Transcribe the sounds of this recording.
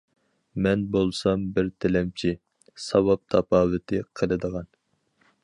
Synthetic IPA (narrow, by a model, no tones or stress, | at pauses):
mɛnbolˠsɑmbɪɾt̪ʰɪlɛmt͡ʃʰi | sɑwɑp̚t̪ʰɑpʰɑːwɨt̪ʰɪqʰəlˠɨd̪əʁɑn